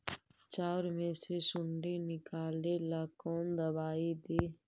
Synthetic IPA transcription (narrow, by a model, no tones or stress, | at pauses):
t͡ʃaːɾmẽsesʊɳɖenɪkaːlelaːkoːmd̪əbaːid̪eː